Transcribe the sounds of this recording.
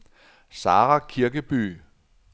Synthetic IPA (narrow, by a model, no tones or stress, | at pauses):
sɑ̈ːʁakʰiɐɡ̥əb̥y̰ː